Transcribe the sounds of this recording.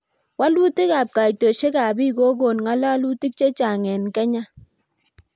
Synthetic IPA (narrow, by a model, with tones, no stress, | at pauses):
wa˦lu˦ti˦ka˨p̚ka˨jto˨ʃe˦ka˨bi˦ko˦ɡo˨nŋa˦la˦lu˦ti˦k̚t͡ʃe˦t͡ʃa˨ŋɛ˨nkɛ˦ɲa˦